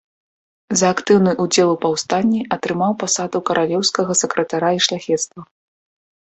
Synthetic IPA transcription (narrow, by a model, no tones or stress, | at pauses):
zɐːkt̪ɨwnɨʔud͡zʲɛlˠwpawst̪anʲːiɐt̪ɾɨmawpasad̪ukɐɾʔalʲɛwskɐɣɐsɐkɾɐt̪aɾaiʂlʲaxʲɛt̪st̪vɐ